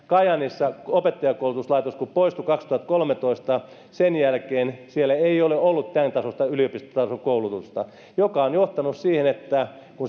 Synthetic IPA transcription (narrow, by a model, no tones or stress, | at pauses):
kɑjɑnisːɑopet̪ːɑjɑkːoulut̪uslɑit̪oskuppoist̪ukɑkst̪uhɑt̪kolmet̪oist̪ɑ | senjælkeːnsielæeioleolːut̪t̪ænt̪ɑsost̪ɑyliopist̪ot̪ɑsokoulut̪ust̪ɑ | jokɑonjoht̪ɑnussiːhenet̪ːæ | kun